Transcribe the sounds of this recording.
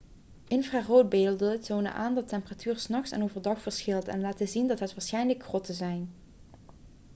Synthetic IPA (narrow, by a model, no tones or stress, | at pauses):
ʔɪnvraːrowd̚beːəlˠdəətoːwnə̰ʔaːndɑtɛmpəratʰyːɹsnɑxsa̰nowvəɹdɑxfəɹsxɪlˠtɛ̰nlaːtəzindɑtɦətʋaːɹsxɛjnləkxrɔtəzɛjn